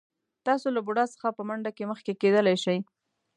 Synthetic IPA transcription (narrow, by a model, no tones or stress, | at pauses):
t̪ɑsolabuɽɑsə̥xapəmaɳɖakeməxkeked̪əlajʃaj